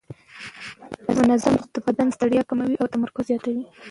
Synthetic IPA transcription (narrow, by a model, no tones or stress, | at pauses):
mʊnazamd̪̥əbad̪anst̪aɽjɑkamawiʔawt̪amaɾkʊzzjɑt̪awi